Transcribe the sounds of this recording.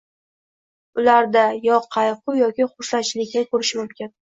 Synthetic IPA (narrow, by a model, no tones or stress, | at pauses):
ʊlaɾd̪ajɒqʰɑjqʰʊjɒkʲɪχʊɾʃat͡ʃlɪkʲːakʰɵɾɪʃmʊmkʲɪn